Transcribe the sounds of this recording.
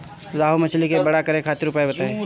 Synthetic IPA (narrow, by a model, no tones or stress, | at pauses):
zaːɦumɐt͡ʃʰlikebɐɽakəɾekʰaːt̪ɪɾʊpaebɐt̪aɦe